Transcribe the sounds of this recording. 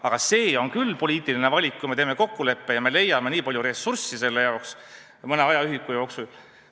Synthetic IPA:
ɑɡ̥ɑse̞ːo̞nkylːpo̞lʲiːt̪ːˑiline̞vɑlʲikkːujme̞t̪eːme̞ko̞kːule̞pːe̞jɑme̞le̞jːɑme̞niːpɑlʲjuɾe̞sursise̞lːe̞jɑoks | mɤneɑjɑyɦikːujo̞ksul

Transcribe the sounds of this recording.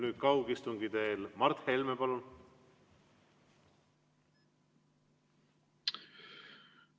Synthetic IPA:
nyːd̪̥kɑwɡist̪uŋɡid̪e̞ːlmɑrt̪heilmepɑlun

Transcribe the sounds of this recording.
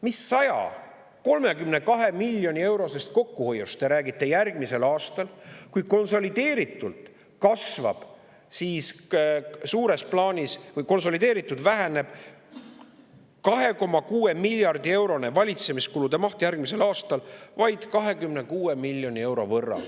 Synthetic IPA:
misːɑjɑ̰ | ko̞lmekymne̞kɑɦe̞milʲjo̞nʲie̞wɾo̞se̞st̪̚ko̞kːuho̞jːust̪e̞ɾæːɡit̪ːˑe̞jærɡ̥mise̞lɑːst̪ɑlkujko̞nso̞lid̪̥e̞ːɾit̪ːˑult̪ˑ | kɑsvɑ̰b̥ | siːs | suːɾe̞splɑːnʲisvɤjko̞ns̬o̞lid̪̥e̞ːɾit̪ːˑud̪væɦene̞b̥ | kɑɦe̞ko̞mɑkuːe̞milʲjɑrd̪̥ie̞wɾo̞ne̞vɑlʲit̪se̞miskulud̪̥e̞mɑht̪jærɡ̥mise̞lɑːst̪ɑlvɑjd̪̥kɑɦe̞kymne̞kuːe̞milʲːjo̞nʲie̞wɾo̞̰vɤrːɑ̰

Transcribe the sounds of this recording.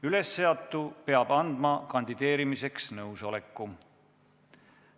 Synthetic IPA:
yle̞sːeɑt̪ːˑupe̞ɑb̥ɑnd̪̥mɑkɑnd̪id̪̥e̞ːɾimise̞ksnɤwso̞le̞kːu

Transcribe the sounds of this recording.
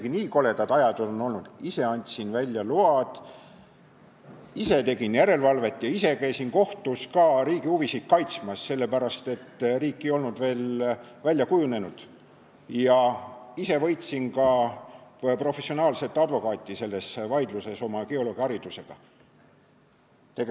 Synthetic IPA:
ɡ̥iniːko̞le̞d̪ɑd̪ɑjɑd̪olono̞lnud̪̥ise̞ɑnʲt̪ʲsinvælʲːjɑluɑd̪̥ | ise̞t̪e̞ɡinjæɾe̞lvɑlve̞t̪ːˑjɑise̞kæjsinko̞ht̪uskɑːɾiːɡiuvisit̪̚kɑjt̪smɑsːe̞lːe̞pæɾɑst̪e̞t̪ːriːkːejo̞lnud̪̥ve̞ːlvælʲjɑkujune̞nud̪̥ | jɑise̞vɤ̞jt̪sinkɑ | pro̞fe̞sːio̞nɑːlse̞t̪ːˑɑd̪̥vo̞kɑːt̪ʲːˑise̞lːe̞svɑjd̪luse̞so̞mɑkeo̞lo̞ːɡ̥iɑɾid̪use̞ɡ̥ɑ̰ | t̪eɡe

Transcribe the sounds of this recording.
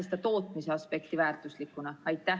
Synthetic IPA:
st̪ɑt̪o̞ːt̪ˑmise̞ɑspe̞kt̪ivæːrt̪ˑuslikːˑunɑɑjt̪ːæ

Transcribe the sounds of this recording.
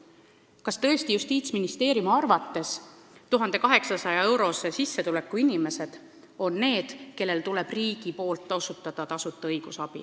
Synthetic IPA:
kɑst̪ɤ̞esijust̪iːt̪sminist̪e̞ːɾjumɑrvɑt̪ːe̞s | t̪uɦɑnd̪̥e̞kɑɦe̞ksɑsɑjɑe̞wɾo̞sesisːe̞t̪ule̞kːˑuinime̞se̞d̪̥ | o̞nːe̞ːd̪̥ke̞lːe̞lt̪ule̞b̥riːɡ̥ipo̞ːlt̪ˑːo̞sut̪ːˑɑd̪̥ɑt̪ɑsut̪ːˑeɤjɡ̥usɑb̥ḭ

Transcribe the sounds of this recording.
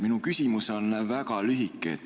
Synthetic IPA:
minukysimusonvækɑlyɦikːˑḛt̪

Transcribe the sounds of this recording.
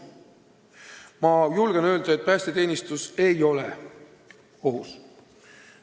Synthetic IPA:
mɑjulɡ̥enø̞ːld̪̥ɑet̪̚pæːst̪et̪e̞ːnʲist̪use̞jo̞lḛ | o̞ɦus

